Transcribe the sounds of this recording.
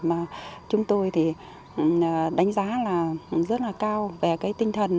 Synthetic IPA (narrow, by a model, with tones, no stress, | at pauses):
maː˨˩t͡ɕʊ˨˦ŋ͡mt̪o˧jt̪ʰi˨˩˨ | ɗa˨˦ŋ̟zaː˨˦laː˨˩zə˦˥t̚laː˨˩kaː˧wve˨˩kaː˨˦jt̪ï˧ŋ̟t̪ʰə˨˩n